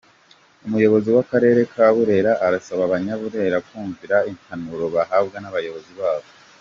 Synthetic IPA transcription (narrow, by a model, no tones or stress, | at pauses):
umujo̞βo̞ziwakaɾe̞ːɾe̞kʰaβuɾe̞ɾaʔaɾasaβaβaɲaβuɾe̞ɾakuːɱviɾain̥hanuɾo̞βahaːbɡanaβajo̞βo̞ziβaːβo